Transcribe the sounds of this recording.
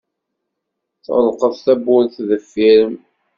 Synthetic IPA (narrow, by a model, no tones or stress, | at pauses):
θəlqəðθæbːʊɾθðəfːiɾəm